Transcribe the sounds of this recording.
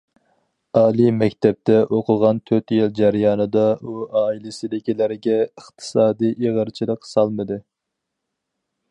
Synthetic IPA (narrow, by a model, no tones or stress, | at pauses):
ɑːlˠimɛkʲt̪ʰɛp̚t̪ʰɛʔoqʰʊʁɑnt̪ʰøt̪jɪld͡ʒæɾjɑːnɨd̪ɑuɑːilɪsɪlɪkʲilɪɾɡʲɛəχt̪ʰɨ̥sɑːd̪ijʔeʁəɾt͡ʃʰilˠəqsɑlˠmɨd̪ɨ